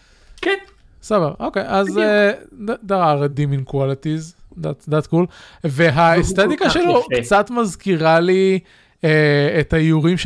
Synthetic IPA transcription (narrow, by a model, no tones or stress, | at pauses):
ken | sabaʁʔokejʔaze | d̪aʁaʁd̪iminkwalit̪izd̪at̪d̪at̪kulveɦaest̪et̪ikaʃelokt͡sat̪mazkiʁali | eet̪hajuʁimʃ